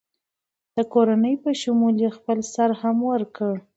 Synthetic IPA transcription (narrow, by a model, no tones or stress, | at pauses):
d̪̥əkoɾanəjpəʃʊmuljexpəlsaɾhamwəɾkəɽ